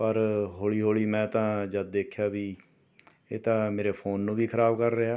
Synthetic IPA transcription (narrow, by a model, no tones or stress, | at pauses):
pəɾɦoːɭiːɦoːɭiːmɛ̃ːt̪ãːd͡ʒəd̪̚d̪eːkʰjaːbiː | eːt̪ãːmeːɾeːpʰoːnːũːbiːkʰəɾaːbkəɾːəɦaː